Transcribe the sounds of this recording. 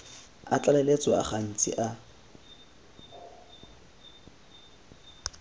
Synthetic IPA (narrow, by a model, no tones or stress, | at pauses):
a̰t͡ɬʼalɛlet͡sʼɔa̰χan̩t͡sʼɪ̰ʔa